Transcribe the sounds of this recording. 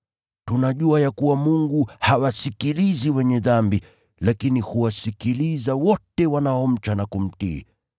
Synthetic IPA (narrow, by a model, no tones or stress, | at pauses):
tunaʄuajakuwamuŋɡuhawasikiliziwɛɲɛðambi | lakinihuwasikilizawɔtɛwanaɔm̩t͡ʃanakum̩tḭː